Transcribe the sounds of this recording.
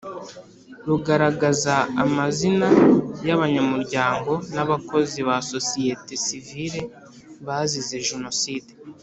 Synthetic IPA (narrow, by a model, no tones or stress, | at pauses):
ɾuɡaɾaɡazaːmazinajaβaɲamuɾɟaːŋɡo̞naβako̞ziβaso̞sijetesiviɾe̞ | βaːzize̞ʒuno̞siːde